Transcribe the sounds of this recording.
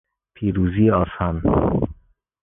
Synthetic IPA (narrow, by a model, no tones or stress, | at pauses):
pʰiːɾuːziːeɒːsan